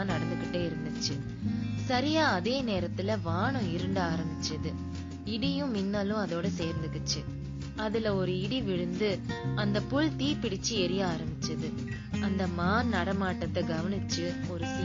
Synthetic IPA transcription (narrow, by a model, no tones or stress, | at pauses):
nɐɽɐnd̪ɯkːɪʈːeːɪɾɯnd̪ɯt͡ʃːɯ | sɐɾɪjaːɐðeːneːɾɐt̪ːɪlɐʋaːɳʊ̃ɪɾɯɳɖaːɾɐmbɪt͡ʃːɐðɯ | ɪɽɪjʊ̃mɪnːaːlʊ̃ɐðoːɽɐseːɾnd̪ɯkːɯt͡ʃːɯ | ɐðɪlɐɔɾɯɪɽiʋɪɻɯnd̪ɯɐnd̪ɐpʊɭt̪iːpɪɽɪt͡ʃːɯɛɾɪjaaːɾɐmbɪt͡ʃːɐðɯ | ɐnd̪ɐmaːnɐɽɐmaːʈːɐt̪ːɐɡɐʋɐnɪt͡ʃːɯɔɾɯsɪ